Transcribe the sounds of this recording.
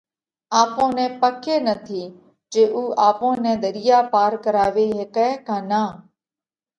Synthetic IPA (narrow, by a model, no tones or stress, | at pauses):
aːpõːnɛ̃ːpəkeːnət̪ʰiː | d͡ʒeːʔuːʔaːpõːnɛ̃ːd̪əɾɪjaːpaːɾkəɾaːʋeːɦeːkɛːkaːnãː